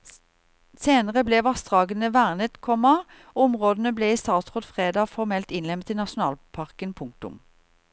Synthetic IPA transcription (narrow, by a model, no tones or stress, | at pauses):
seːnəʁəblɛːʋɑst̪ʁɑːɡənəʋæːʁnət̪kʰɔmːɑ | ʊmʁoːd̪ən̩əbleːiːst̪ɑːt̪sʁoːd̪fʁeːd̪ɑːfɔʁmɛlt̪ɪnlɛmt̪iːnɑʃʊnɑ̰ːlpʰɑʁkənpʰʊŋk̚t̪ʊ̰m